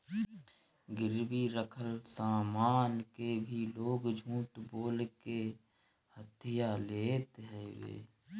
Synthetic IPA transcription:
ɡɪɾbiɾəkʰəlsaːmaːnkebʱiloːɡd͡ʒʱũːʈ̪boːlke | hət̪ʰɪjaleːt̪ɦɛwḛː

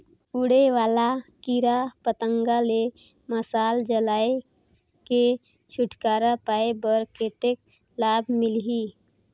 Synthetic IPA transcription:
uɽeʋaːlakiɾapət̪ə̃ŋɡale | məsaːld͡ʒəlaːe | ke | t͡ʃʰʊʈkaːɾapaːebəɾkeːt̪ek̚ | laːbʱmɪlɦi

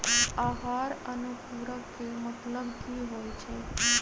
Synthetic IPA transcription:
aɦaɾənupuɾəkemət̪ləbkʰiɦojt͡ʃʰe

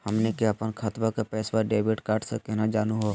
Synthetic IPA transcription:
hɐmnekeɐpənkʰat̪ʋakapɛːsʋəɾɖeːbɪʈkaːʈʰsekɛɦnad͡ʒaːnuɦoː

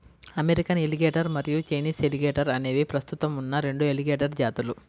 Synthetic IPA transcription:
ɐmeɾikɐneliɡeːʈɐɾmɐɾijut͡ʃɐjniːseliɡeːʈɐɾɐneːʋipɾɐst̪ut̪ɐmunːɐɾe̞ɳɖueliɡeːʈɐɾd͡ʒaːt̪ulu

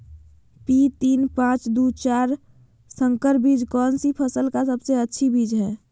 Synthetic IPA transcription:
pit̪iːnpãːt͡ʃd̪ut͡ʃaːɾ | sə̃ŋkəɾbid͡ʒkɔːnsipʰəsəlkasəbseətːʃʰibid͡ʒɦɛː

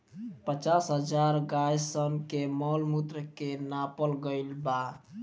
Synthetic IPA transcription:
pət͡ʃasɦəd͡ʒaɾɡajsənkemɔlmut̪ɾəkenapəlɡəɪlba

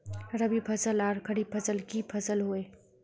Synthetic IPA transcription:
ɾəbipʰəsəlaɾkʰəɽipʰəsəlkipʰəsəlɦoe

